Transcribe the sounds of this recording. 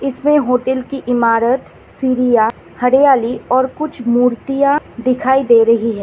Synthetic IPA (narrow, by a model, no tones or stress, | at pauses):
ɪsmẽɦoːʈɛːlkiʔɪmaːɾət̪ | siːɾija | hɐɾejaːliɔːɾkʊt͡ʃʰmuːɾt̪ijãd̪ɪkʰaːid̪eːɾɐɦiɦɛː